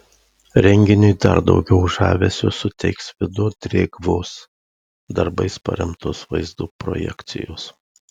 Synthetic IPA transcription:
ɾʲɛŋʲɡʲɪnʲʊɪd̪ɐ̰ɾd̪ɒ̰ʊɡʲɛʊʒɑːʋʲesʲʊsʊt̪ʲɛɪksʋʲɪd̪ʊd̪ʲɾʲeːɡʋoːs | d̪ɐɾbɐɪspɐ̰ɾʲɛmt̪ʊsʋɐ̰ɪzd̪uːpɾɔ̰jɛ̰kt̪sʲɪ̰joːs

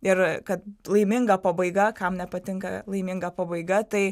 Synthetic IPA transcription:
ɪrkɐt̪lˠɐɪmʲɪŋɡɐpɐbɐɪɡɐkɐmnʲɛpɐt̪ʲɪŋkɐ̰lˠɐɪmʲɪŋɡɐpɐbɐɪɡɐt̪ɐɪ

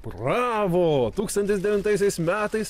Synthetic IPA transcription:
pɾɑːʋoːt̪uːkst̪ɐnʲt̪ʲɪsd̪ʲɛʋʲɪnt̪ɐɪsʲɛɪsmʲæːt̪ɐɪs

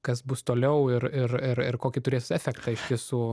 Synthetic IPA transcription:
kɐsbʊst̪oːlʲɛʊɪrɪrɪɾɪrkoːkʲit̪ʊɾʲeːsæfʲɛkt̪ɐɪʃʲt̪ʲisuː

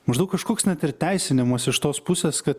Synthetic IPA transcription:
mɐʒd̪ɐʊkɐʃkoːksnʲɛt̪ʲɪɾʲt̪ʲæɪsʲɪnʲɪmɐsɪʃt̪oːspʊsʲeːskɐt̪

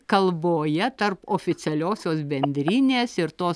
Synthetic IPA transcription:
kɐlˠboːjɛt̪ɐɾpoːfʲɪt̪sʲɛlʲoːsʲoːsbʲɛnʲd̪ʲɾʲiːnʲeːsɪɾt̪oːs

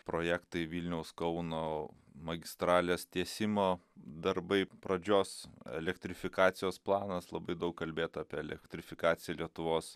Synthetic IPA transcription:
pɾoːjæːkt̪ɐɪʋʲiːlʲnʲɛʊskɐʊnoː | mɐɡʲɪst̪ɾɑːlʲeːst̪ʲiɛsʲɪmoːd̪ɐɾbɐɪpɾɐd͡ʒʲoːsɛ̰lʲɛkt̪ʲɾʲɪfʲɪkɑːt̪sʲɪjoːsplˠɑːnɐslˠɐbɐɪd̪ɐʊkkɐlʲbʲeːt̪ɑːpʲiɛɛlʲɛkt̪ʲɾʲɪfʲɪkɑːt̪sʲɪjɛlʲiɛt̪ʊʋoːs

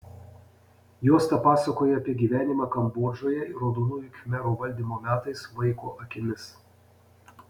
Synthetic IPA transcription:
joːst̪ɐpɑːsɐkoːjɛɐpʲiɛɡʲiːʋʲæːnʲɪmɑːkɐmboːʒoːjɛɪɾoːd̪oːnuːjʊkʲmʲɛɾoːʋɐlʲd̪ʲiːmoːmʲæːt̪ɐɪsʋɐɪkoːʔɐkʲɪmʲɪs

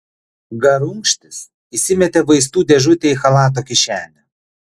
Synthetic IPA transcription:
ɡɐɾʊŋkʃʲt̪ʲɪs | isʲɪmʲɛt̪ʲeʋɐɪs̬t̪uːd̪ʲɛʒʊt̪ʲeixɐlˠɑːt̪̬oːkʲɪʃʲæːlʲɛ

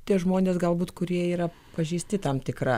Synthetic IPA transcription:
t̪ʲiɛʒmoːnʲeːsɡɐlˠbuːt̪kʊɾʲiɛiːɾɐ | pɐʒʲɛɪsʲt̪ʲɪt̪ɐmt̪ʲɪkɾɑ

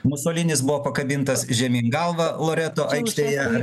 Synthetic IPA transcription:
mʊsoːlʲɪnʲɪsbʊʋoːpɐkɐbʲɪnt̪ɐsʒʲɛmʲɪŋɡɐlˠʋɐlˠoːɾʲæːt̪oːʔɐɪkʃʲt̪ʲeːjɛɐ

